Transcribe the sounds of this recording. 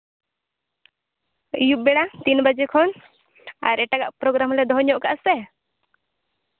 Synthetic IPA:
juʔ̚bɛɽat̪inbad͡ʒekʰɔn | a̰ɾɛʈaɡaʔpɾɔɡɾamlɛd̪ɔɦɲɔʔkaʔsɛ

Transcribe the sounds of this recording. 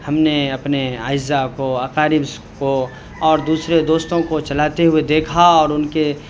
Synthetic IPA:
hɐmneɐpnea̰ːɪzːakoaːkaːɾɪbs | ko | ɔːɾd̪uːsɾed̪oːst̪õkot͡ʃɐlaːt̪eɦʊed̪eːkʰaɔːɾʊnke

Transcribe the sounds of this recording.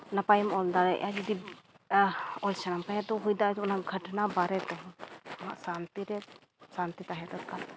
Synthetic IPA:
napajɔmɔld̪aɾɛʔa̰d͡ʒid̪i | ɔlsanamkaɦɛt̪ɔɦujd̪aɔnaɡʱəʈnabaɾɛt̪ɔɦma̰ʔsant̪iɾɛ | sant̪it̪aɦɛd̪ɔt̪̚kal

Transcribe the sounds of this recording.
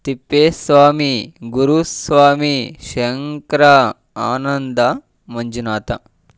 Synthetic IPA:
t̪ipːeːsʋaːmiɡuɾusʋaːmiʃŋkɾɐ | aːnɐnd̪ɐ | mɐɲd͡ʒunaːt̪ɐ̰

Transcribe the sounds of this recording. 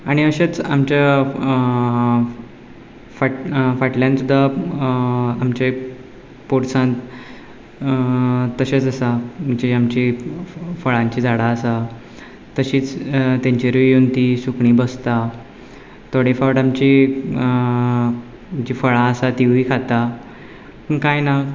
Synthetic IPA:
aɽ̃iəɕet͡sa̰mt͡ɕa | faʈfaʈljãnsud̪ʱːa | amt͡ɕe | poɽsãnt̪ | t̪ːəɕet͡səsam̤əɳd͡ʑeamt͡ɕi | fəɭãɲt͡ɕiːd͡zaɽaəsa | t̪əɕiːt͡st̪ãɲt͡ɕiɾujont̪isukɳiːbəst̪a | t̪ʰoɽefawʈamt͡ɕi | d͡ʑifəɭãəsat̪iʋiːkʰat̪a | əkajna

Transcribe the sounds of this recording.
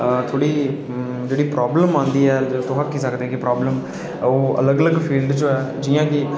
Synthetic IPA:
t̪ʰoːɽiː | d͡ʒeːɽiːpɾaːbləmãːnd̪iːɛːt̪oɦãkːiːsəkd̪eːkɪpɾaːbləm | oːə̰ləɡələɡpʰiːlɖt͡ʃõɛːd͡ʒiːãːkɪ

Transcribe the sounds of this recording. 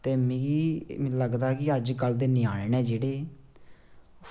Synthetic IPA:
t̪eːmɛ̃ːɡĩləɡd̪aːkɪəɾd͡ʒkəld̪eːnɪːaːɽeːnɛːd͡ʒeːɽeː

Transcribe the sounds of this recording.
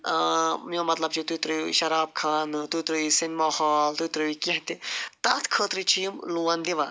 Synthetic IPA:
mjomɐt̪lɐb̚t͡ʃʰit̪ut̪ɾɨʃɐɾaːb̚kʰaːnt̪ut̪ɾɨisinmɐhaːlt̪ut̪ɾɨikeɦt̪it̪aːt̪ʰkʰəːt̪ɾit͡ʃʰijmluːɐnd̪iʋa

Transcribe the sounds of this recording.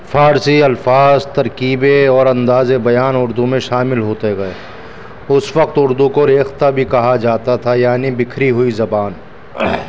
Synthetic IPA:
faːɾsiɐlfaːzt̪ɐɾkiːbeɔːɾɐ̃nd̪aːzebɐjaːnʊɾd̪umẽʃaːmɪlɦoːt̪eɡɐeː | ʊswɐq̚t̪ʊɾd̪ũkoɾeːxt̪abʱikɐɦad͡ʒaːt̪at̪ʰajaːnibɪkʰɾiɦʊizɐbaːn

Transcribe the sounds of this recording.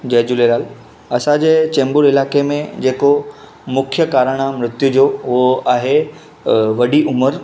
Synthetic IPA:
d͡ʑɐːd͡ʑulelaːl | ɐsãd͡ʑeːt͡ɕɛ̃ːmbʊɽɪlaːkemẽd͡ʑeːko | mʊkʰjəkaːɾəɽ̃amɾɪt̪jud͡ʑoːʊɦoaːɦe | ʋɐɗiʔʊməɾ

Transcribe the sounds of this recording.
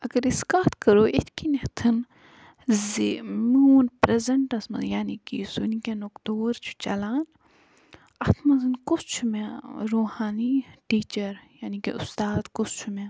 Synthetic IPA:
ɐɡɐɾiskaːt̪ʰkəɾoːʔḛt̪ʰkineht̪ʰɨn | zimuːnpɾezɐɳʈɐsmɐ̰zjaːniːkisunikʲenukt̪oːɾt͡ʃʰu̥t͡ʃɐ̰laːn | ɐt̪ʰmɐzɨnkʊst͡ʃʰumẽɾoːhaːniʈiːt͡ʃɐɾjaːnikḭʔʊst̪aːd̪kʊst͡ʃʰumẽ

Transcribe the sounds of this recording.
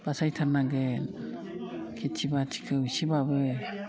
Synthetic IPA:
b̥asajtʰaɾnaɡen | kʰitʰibatʰi̥kʰɯusibabɯ

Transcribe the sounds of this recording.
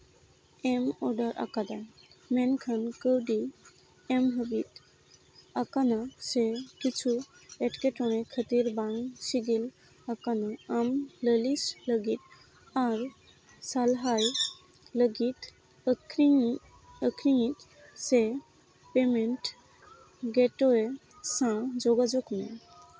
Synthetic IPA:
emɔɖəɾʔa̰kad̪amenkʰənkəwɖi | emɦəbit̪ | akanasekit͡sʰueʈkeʈɔɽ̃ekʰət̪iɾbãŋɡɕiɡil | akanaamləlisləɡit̪ | aɾ | salɦaj | ləɡit̪ | əkʰɾi | əkʰɾiŋit̪ | se | pemeɳʈ | ɡeʈoe | sãd͡zoɡad͡zoknḛ

